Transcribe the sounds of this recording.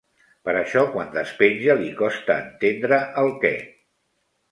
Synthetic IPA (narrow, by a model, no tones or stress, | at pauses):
pəɾəʃɔkwand̪əspenʲʒəlikɔst̪ə̰ːnt̪end̪ɾəʔəlˠkɛ̰